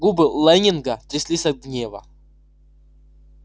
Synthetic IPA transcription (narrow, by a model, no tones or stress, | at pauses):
ɡubɨlˠanʲɪnɡɐt̪ɾʲɪsʲlʲisʲɐt̪̚ɡnʲevɐ̰